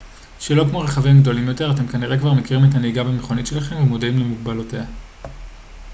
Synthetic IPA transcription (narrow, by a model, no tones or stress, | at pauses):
ʃelo̞kmo̞ʁeχavimɡd̪o̞limjo̞te̞ʁate̞mkaniʁe̞kvaʁmekiʁimet̪aniɡabemeχo̞nitʃe̞laχe̞mvemodaimlemuɡbalotea